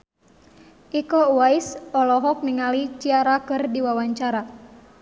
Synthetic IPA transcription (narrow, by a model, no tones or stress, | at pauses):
ʔikɔuwaisɔlɔɦɔk̚niŋalit͡ʃiaɾakɨrdiwawaɲt͡ʃaɾa